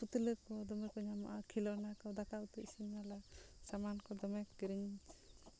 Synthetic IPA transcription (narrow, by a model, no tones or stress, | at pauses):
put̪uləkɔd̪ɔmɛkɔɲama̰ʔakʰilɔnakɔd̪akaut̪ɔisinalasamankɔd̪ɔmɛkɡiɾiɲ